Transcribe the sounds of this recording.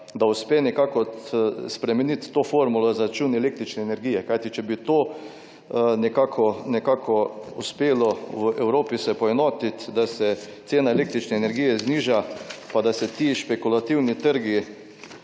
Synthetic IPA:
d̪aʊspeːnɛkaːkɔspɾɛmɛnit̪ːofoːɾmulɔzaɾat͡ʃunɛleːk̚t̪ɾit͡ʃnɛːnɛɾɡiːjɛkajt̪it͡ʃɛbit̪oː | nɛkaːkʰɔnɛkaːkʰɔuspeːlɔʋəʔɛwɾoːpisɛpɔɛnoːt̪it̪d̪asɛt̪seːnaeleːkt̪ɾit͡ʃnɛːnɛɾɡijɛzniːʒapad̪asɛt̪iːʃpɛkulat̪iwnit̪əɾɡi

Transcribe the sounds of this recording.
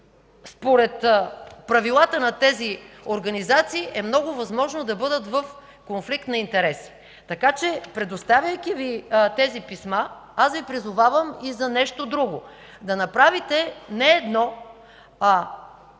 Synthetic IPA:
spoɾɛt̪pɾɐvilˠat̪ənɐt̪ɛzi | oɾɡɐnizat̪siːʔɛmnɔɡʊvɐzmɔʒnod̪ɐbɤd̪ət̪vəf | konflikt̪nɐint̪ɛɾɛsi̥ | t̪ɐkat͡ʃɛpɾɛd̪ost̪avʲjəjkʲivit̪ɛzipisma | asvipɾizʊvavəmizɐnɛʃt̪od̪ɾuɡo | d̪ɐnɐpɾavit̪ɛnɛːd̪nɔ | a

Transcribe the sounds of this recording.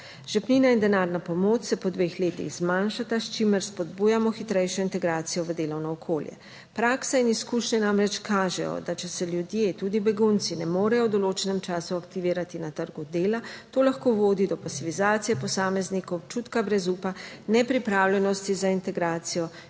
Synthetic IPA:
ʒ̥ɛpninaind̪ɛnaːɾnapɔmoːt͡ʃsɛpɔd̪ʋexleːt̪ḭɣz̥manʃat̪ast͡ʃiməɾspɔd̪buːjamɔxit̪ɾɛjʃɔint̪ɛɡɾaːt̪sijɔʋəd̪eːlɔwnɔːkʰoːljɛ̰ | pɾaːksainiskuːʃɲɛnamɾɛt͡ʃkʰaːʒɛ̰jɔ̰d̪at͡ʃɛsɛljud̪jet̪uːd̪ibɛɡunt̪sinɛmoːɾɛjɔwd̪ɔloːt͡ʃɛnɛmt͡ʃaːsuakt̪iʋiːɾat̪inat̪əɾɡud̪eːlat̪oːlaxkoːʋoːd̪id̪ɔpasifizaːt̪sijɛpɔsaːmɛznikɔwt͡ʃut̪kabɾɛzuːpa | nɛpɾipɾaːwlʲjɛnɔst̪izaint̪ɛɡɾaːt̪sijɔ

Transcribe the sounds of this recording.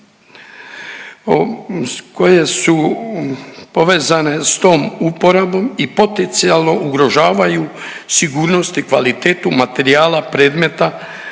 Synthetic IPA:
o | ko̞je̞su | poʋe̞ːzane̞st̪o̞ːmupo̞ɾabo̞mipo̞t̪ent̪sialˠno̞uɡɾo̞ʒaːʋajusiɡuːɾno̞st̪ikʋalit̪eːt̪umat̪e̞ɾiaːlapɾe̞ːd̪me̞t̪a

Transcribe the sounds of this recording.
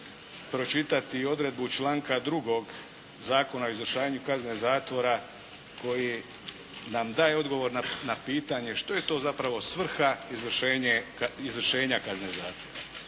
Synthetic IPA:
pɾo̞t͡ʃit̪at̪io̞d̪ɾe̞d̪but͡ʃlˠaːŋkad̪ɾuɡo̞ɡ | zaːko̞naoizʋr̩ʃaːʋaɲukaznezaːt̪ʋo̞ɾa | ko̞ji | namd̪aːje̞o̞d̪ɡo̞ʋo̞ɾnanapiːt̪aɲe̞ʃt̪o̞je̞t̪o̞ːzapɾaʋo̞sʋr̩xaizʋr̩ʃeːɲeizʋr̩ʃe̞ːɲakazne̞zaːt̪ʋo̞ɾa

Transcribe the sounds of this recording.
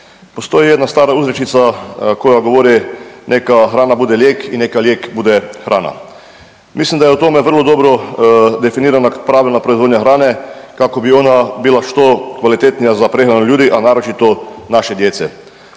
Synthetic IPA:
post̪oːjijɛd̪nast̪aːɾauːzɾet͡ʃit̪sakojaɡoʋoːɾɛnekaxɾaːnabuːd̪ɛljeːkinːekaljeːkbuːd̪ɛxɾʔa̰ːna̰ | mislimd̪ajɛut̪oːmɛʋəɾlod̪oːbɾɔd̪efiniːɾanapɾaːʋlʲɛnapɾɔizʋoːd̪ɲaxɾaːnɛkakobioːnabilaʃt̪okʋalit̪eːt̪nijazapɾexɾanoljuːd̪iʔanaːɾot͡ʃit̪ɔnaʃɛd̪jeːt̪sɛ̰

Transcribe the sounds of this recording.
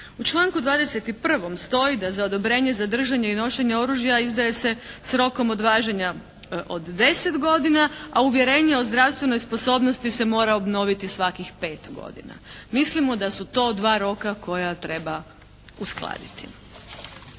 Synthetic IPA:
ut͡ʃlˠaːŋkud̪ʋaːd̪e̞set̪ipr̩ʋo̞mst̪o̞jid̪azao̞d̪o̞bɾe̞ːɲe̞zad̪r̩ʒaɲeino̞ʃe̞ɲeo̞ɾuːʒjaizd̪aje̞se̞sɾo̞ko̞mod̪ʋaːʒeɲa | od̪ːe̞se̞t̪ɡo̞d̪inaauʋjeɾe̞ːɲeo̞zd̪ɾaʋst̪ʋe̞no̞jspo̞so̞ːbno̞st̪ise̞mo̞ːɾaobno̞ʋit̪isʋakixpe̞ːt̪ɡo̰d̪ḭna̰mislimo̞d̪asut̪o̞ːd̪ʋaːɾo̞kako̞jat̪ɾe̞ba | usklˠa̰ːd̪ḭt̪ʰḭ

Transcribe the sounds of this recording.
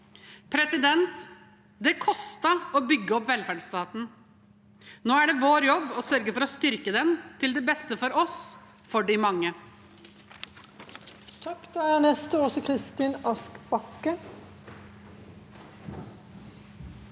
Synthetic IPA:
pʰɾɛsɪd̪ɛnt̪ | d̪ɛkʰɔst̪əɔːbʏɡːəɔpːʋɛlfæːɖst̪ɑːt̪n̩ | noːæɖɛʋoːɾjɔbːɔsœɾɡəfɔɾɔst̪ʏɾkəd̪ɛnt̪ʰɪld̪ɛbɛst̪əfɔɾɔs | fɔɖɪmɑŋːə | t̪ʰɑkːd̪ɛænɛst̪əɔsɔkʰʁɪst̪inɑskb̥ɑkːə

